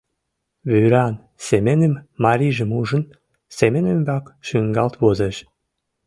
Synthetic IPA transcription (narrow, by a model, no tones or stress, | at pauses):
βyɾɑn | semenəmːɑɾʲiʒə̆muʒə̆n | semenembɑkʃyŋɡɑlt̪βozeʃ